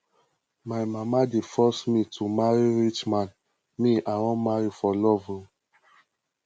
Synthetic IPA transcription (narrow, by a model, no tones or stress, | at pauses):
maɪmamadefɔsmitʰumaɹiɹit͡ʃmãn | miʔaɔ̃maɹifɔlɔvũ